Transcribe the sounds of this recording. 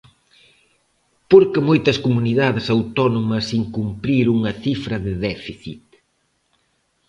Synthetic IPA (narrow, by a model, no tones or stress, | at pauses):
poɾkɪmojt̪ɐskumuniðaðɪsawt̪ɔnomɐsiŋkumpɾiɾuŋɐθifɾɐðɪðɛfiθit̪̚